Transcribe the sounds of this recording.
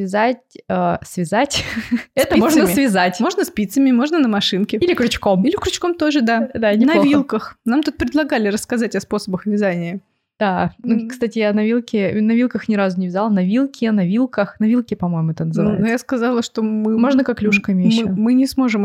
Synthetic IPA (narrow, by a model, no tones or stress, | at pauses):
vʲɪzat̚ʲəsvʲɪzatʲɛt̪əmoʐnəsvʲɪzatʲmo̞ʐnəspʲit̪səmʲɪmo̞ʐnənəmɐʂɨnkʲɪilʲɪkɾʲʊt͡ɕko̞milʲɪkɾʲʊt͡ɕko̞mt̪o̞ʐɨd̪ad̪anʲɪnɐovʲilˠkəxnamt̪ut̪̚pɾʲɪd̪lˠɐɡalʲɪɾəskɐzatʲɐspo̞səbəxvʲɪzanʲɪjə | d̪̥anukst̪atʲɪjanɐvʲilˠkʲɪnɐvʲilˠkəxnʲɪɾazʊnʲɪvʲɪzalˠnɐvʲilˠkʲɪnɐvʲilˠkəxnɐvʲilˠkʲɪpɐmo̞jmʊɛt̪ənəzɨvnojaskɐzɑlˠəʂt̪o̞mɨmo̞ʐnəkaklʲuʂkəɪmʲeɨmɨnʲɪsmo̞ʐɨm